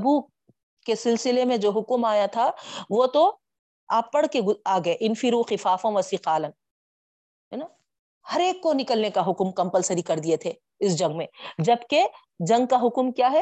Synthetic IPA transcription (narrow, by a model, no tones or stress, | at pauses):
ɐbu | kesɪlsɪlemẽd͡ʒoːɦʊkmaːjat̪ʰaʋot̪o | aːpːɐɽ̤keɡʊaːɡɐeʔɪnfiɾuxɪfaːfõʋɐsiːqaːlən | ɦɛːnaː | hɐɾeːkːonɪkəlnekaɦʊkmkɐ̃mpəlsɐɾikɐɾd̪iet̪ʰe | ɪsd͡ʒɐ̃ŋɡmẽd͡ʒɐbke | d͡ʒɐ̃ŋɡ̚kaɦʊkmkjaːɦɛ